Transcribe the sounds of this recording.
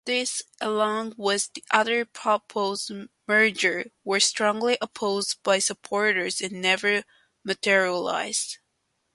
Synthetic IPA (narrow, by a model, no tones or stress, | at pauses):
ðɪsʔəlɔ̃ŋwʌzðiʔʌðə˞pʰɑpʰoʊzmɜ˞d͡ʒə˞wə˞stɹ̥ɔ̃ŋliʔəpʰoʊzbaɪsɨpʰɔɹɾə˞zɨ̃nːɛvə˞ | mɨtʰɪɹiəla̰ɪz̥d̥